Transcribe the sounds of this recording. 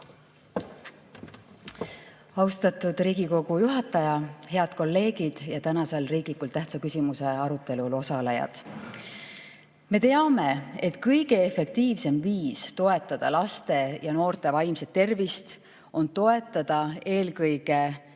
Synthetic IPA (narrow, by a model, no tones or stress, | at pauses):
ɑwst̪ɑt̪ud̪̥riːɡ̥iko̞ɡ̥ujuɦɑt̪ːˑɑjɑhɦe̞ɑd̪̥ko̞lːe̞ːɡ̥id̪̥jɑt̪ænɑselriːɡ̥likult̪æht̪sɑkysʲimuse̞ɑɾut̪ːˑe̞lulo̞sɑlejɑ̰d̪̥ | me̞t̪e̞ɑme̞e̞t̪kɤjɡ̥e̞efe̞k̚t̪iːvse̞mviːst̪o̞e̞t̪ːˑɑd̪̥ɑlɑst̪e̞jɑno̞ːrt̪e̞vɑjmse̞t̪ːe̞rvist̪ | ʔo̞nt̪o̞e̞t̪ˑːɑd̪̥ɑe̞ːlkɤjɡ̥e̞